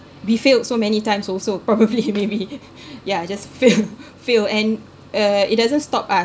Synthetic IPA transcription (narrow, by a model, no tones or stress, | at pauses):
wifelsomɛnitãɪ̃msɔlsopɹɔbəblimebi | jad͡ʒasfil | filɛ̃n | ʌit̚dazə̃nstɔpa